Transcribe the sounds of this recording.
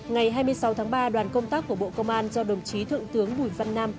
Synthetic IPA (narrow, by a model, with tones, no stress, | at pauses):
ŋa˨˩jɦaː˧jmɨ˧əjsa˨˦wt̪ʰaː˨˦ŋɓaː˧ɗwaː˨˩nkə˧wŋ͡mt̪aː˦˥kːu˧˩əɓo̰˧˨kə˧wŋ͡mʔaː˧nzɔ˧ɗə˨˩ŋ͡mt͡ɕi˨˦t̪ʰɨ̰˧˨ŋt̪ɨ˨˦əŋɓu˧˩jvə˧nːaː˧m